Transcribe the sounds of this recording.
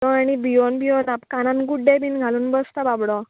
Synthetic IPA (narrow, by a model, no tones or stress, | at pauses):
ɔaɽibiɔnbiɔnapkanãnɡuɖebʱiːnɡʱaluːnbəst̪ababɽɔ